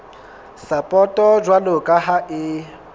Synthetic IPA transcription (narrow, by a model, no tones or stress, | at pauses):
sapʼɔtʼɔd͡ʒwalʊkʼaɦaʔɪ